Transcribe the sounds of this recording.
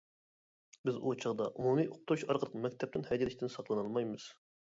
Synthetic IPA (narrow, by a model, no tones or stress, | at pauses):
bɪzut͡ʃʰɑʁd̪ɑʔumumijʔoq̚t̪ʰuɾuʃɑɾqəlˠəqmɛkʲt̪ʰɛp̚t̪ɪnhɛjd̪ilɪʃʲt̪ʰɪnsɑqlˠɨnɑlˠmɑjmɨz̥